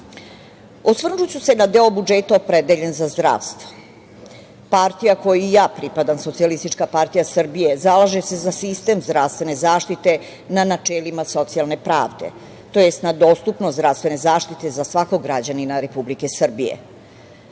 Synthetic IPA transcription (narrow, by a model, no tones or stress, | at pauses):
osʋr̩ʒut͡ɕusenad̪e̞obud͡ʒet̪aopɾed̪eʎe̞nzazd̪ɾa̰ːʋst̪ʋo | paɾt̪ijako̞jujaːpɾipad̪amso̞t̪sialist̪it͡ʂkapaɾt̪ijasr̩bije̞zalaʒese̞zasist̪e̞mzd̪ɾaʋst̪vʋe̞ne̞zaːʃt̪it̪e̞ | nanat͡ʂelimaso̞t̪sialˠne̞pɾa̰ːʋd̪ḛ | t̪o̞je̞st̪nad̪oːst̪upnod̪ɾavst̪ve̞ne̞zaːʃt̪it̪e̞zasʋako̞ɡɾad͡ʑaninaɾe̞publike̞sr̩bijḛ